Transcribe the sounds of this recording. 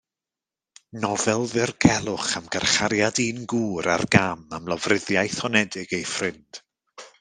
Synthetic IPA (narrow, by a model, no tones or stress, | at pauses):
nɔvɛlˠðɪrɡʰɛlˠʊχamɡ̥arχaɾjadiːnɡuːɾa̰rɡamamlˠɔvrɪðjajθhɔnɛdɪɡ̥ejfrɪnd̥